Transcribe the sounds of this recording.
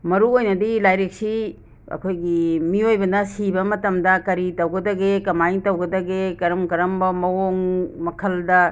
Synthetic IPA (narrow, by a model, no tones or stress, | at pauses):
mɐɾuojnɐdilajɾek̚si | ɐ̰kʰojɡimiojbɐnɐsibɐmɐtɐmdɐkɐɾitɐwɡɐdɐɡekɐmajiŋtɐwɡɐdɐɡekɐɾɐmkɐɾɐmbɐmɐwoŋmɐkʰɐldɐ